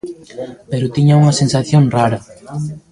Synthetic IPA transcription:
peɾʊt̪iɲauŋɐsensaθjoŋraɾɐ

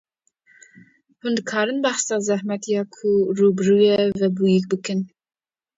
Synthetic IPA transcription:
hund̪ɨkʰɑːɾɨnbɑxsɑːzæhmɛt̪ijɑːkʰuruːbɨrujɛvɛbujikbɨkɨn

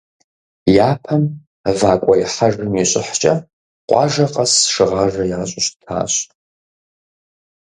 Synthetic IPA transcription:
jaːpʰɐm | vaːkʷʼɐjħaʐɨmiɕʷʼɪħt͡ʃʼɐ | qʷʼɑ̰ʒɐqʼasʂɨʁaʒɐjaːɕʷʼʊɕtʰa̰ːɕ

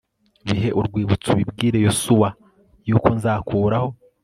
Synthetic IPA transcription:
βiɦe̞ʔuɾɡwiːβut͡suβibɡiːɾe̞josuwa | juːko̞nzaːkʰuːɾaho̞

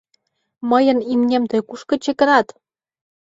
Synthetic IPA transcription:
məjə̆nimnʲemt̪ɤ̆jkuʃkɤ̆t͡ɕekə̆ɾɑt̪

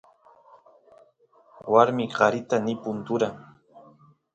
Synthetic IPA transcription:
waɾmɪɢɑɾɪt̪anɪpʊnt̪ʊɾaŋ

